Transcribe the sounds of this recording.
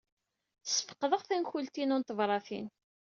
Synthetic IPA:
θsːə̥fə̥qːðəʁθænçult̪inunt̪əvɾˤɑθḭn

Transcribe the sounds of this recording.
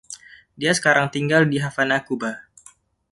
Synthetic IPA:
diasə̥kaɾaŋt̪iŋɡaldiɦafanakuba

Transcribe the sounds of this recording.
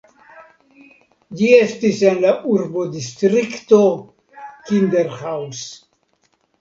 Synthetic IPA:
d͡ʒiestise̞nlaʔuɾbo̞distɾikto | kindeɾhaws

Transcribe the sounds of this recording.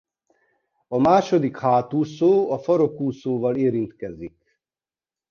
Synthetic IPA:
ɒmaːʃo̞d̪ikhaːt̪uːsoːɒfɒɾokuːsoːvɒleːɾint̪kɛzik

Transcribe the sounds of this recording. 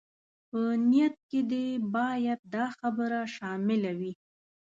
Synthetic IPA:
pənijat̪̚ked̪ebɑjad̪̚d̪ɑxabəɾaʃɑmɪlawi

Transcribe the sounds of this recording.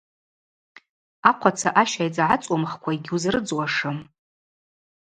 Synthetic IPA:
aqʷʰat͡sʰaʔaʃajd͡zʕat͡sʼwamχkʷʰaiɡʲɪuzrɨd͡zwaʂɨm

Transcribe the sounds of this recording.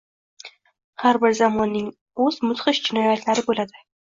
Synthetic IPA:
haɾbɪɾzamɒnːɪŋ | ɵz̥mʊt̪χɪʃd͡ʒɪnɒjat̪ʰlaɾɪbolad̪ɪ

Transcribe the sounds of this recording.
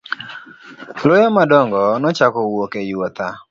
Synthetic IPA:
lojɔmadɔŋɡɔnɔt͡ʃakɔwokejot̪a

